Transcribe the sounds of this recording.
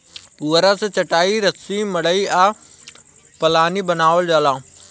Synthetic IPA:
puːɾãːset͡ɕɐʈaːiɾɐsimɐɽəiaː | pɐlaːnibənaːʋəlɗaːlãː

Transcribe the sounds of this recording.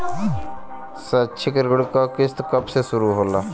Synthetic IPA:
sɐt͡ʃʰikəɾɡəɽkakɪst̪okɐbsesʊɾuɦoːlaː

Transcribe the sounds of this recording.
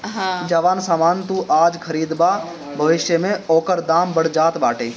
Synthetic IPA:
ɦãd͡ʒɐʋaːnsaːmaːnt̪ũʔaːd͡ʒkʰɐɾiːd̪ba | bʱɐʋɪʃjəmẽɔːkəɾd̪aːmbəɽ̤d͡ʒaːt̪baːʈeː

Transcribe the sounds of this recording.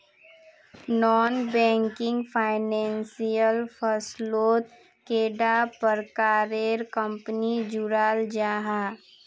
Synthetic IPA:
nɔːnbɛ̃ːŋkɪ̃ŋɡpʰaːɪnɛ̃ːnsijəlfʰəsloːt̪ | keːɖapəɾkaːɾeːɾkə̃mpnid͡ʒʊɾaːld͡ʒaːɦaː

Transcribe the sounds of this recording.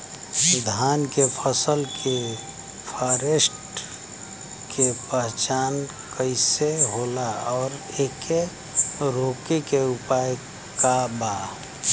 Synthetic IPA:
d̪ʱaːnkepʰəsəlkʰe | pʰaɾesʈ | kepəɦt͡ʃaːn | kəɪseɦolaɔːɾeke | ɾoːkekeupaj | kaba

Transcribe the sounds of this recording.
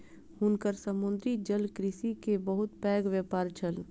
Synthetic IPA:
hʊnkəɾsəmʊ̃nd̪ɾid͡ʒəlkɾɪsikebəɦʊt̪pɛːɡʋjəpaːɾt͡ʃəl

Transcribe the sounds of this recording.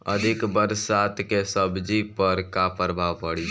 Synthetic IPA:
əd̪ʱɪkbəɾsaːt̪ʰkesəbd͡ʒipəɾkapəɾbʱaːʋpəɽi

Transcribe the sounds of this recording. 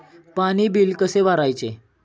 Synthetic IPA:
panibilkəseʋaɾajt͡se

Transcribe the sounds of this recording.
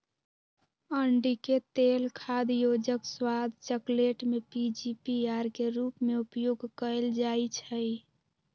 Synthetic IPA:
əɳɖiket̪elkʰad̪jod͡ʒəkswad̪ʱt͡ʃəkleʈmepid͡ʒipiaɾkeɾupmeupjoɡʱkəld͡ʒajt͡ʃʰəj

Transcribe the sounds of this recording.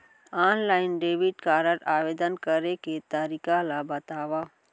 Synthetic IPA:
aːnlaːɪnɖeːbiʈkaːɾəɾaːʋeːd̪ənkəɾeket̪aɾikãlabət̪aːʋaː

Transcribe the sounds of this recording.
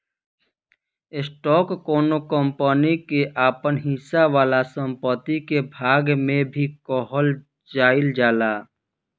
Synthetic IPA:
ɪsʈɔːkːoːnokəmpənikeʔaːpənɦisaʋaːlasə̃mpət̪ikebʱaːɡmẽbʱikɔːɦəl | d͡ʒaːɪld͡ʒaːlaː

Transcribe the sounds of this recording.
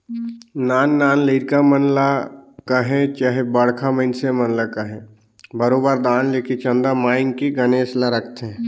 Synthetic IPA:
naːnːaːnleːɾkamənlakaɦɛ̃t͡ʃaːɦebəɽkʰaməɪnsemənlakaɦɛ̃ | bəɾoːbəɾd̪aːnleːket͡ʃə̃nd̪amaːɪnkiɡəneːslaɾəkʰt̪eɦɛ̃ː

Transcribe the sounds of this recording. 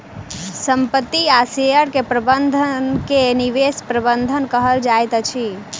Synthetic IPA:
səmpət̪ːiasejəɽkepɾəbənd̪ʱənkeniʋespɾəbənd̪ʱənkəɦəld͡ʒajt̪t͡ʃʰi

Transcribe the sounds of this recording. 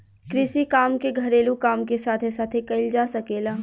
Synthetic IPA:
kɾɪsikaːmkeɡʱɐɾeːlũkaːmkesaːt̪ʰesaːt̪ʰekɐɪld͡ʒaːsɐkeːlaː

